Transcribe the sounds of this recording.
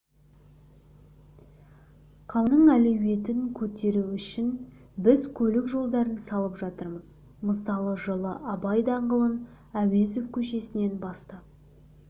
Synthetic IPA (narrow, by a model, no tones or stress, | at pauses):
qʰɑwnəɴælewe̞t̪ɪŋkʲʰɵt̪e̞ɾuʏʃɪn | bɪzkʲʰɵlɪkʒo̞lˠd̪ɑɾənsɑlˠəpʒɑt̪əɾməz | məsɑlˠəʒəlˠə̰ʔɑbɑjd̪ɑɴʁəlˠən | æwezefkʲʰɵʃe̞sɪne̞nbɑst̪ɑ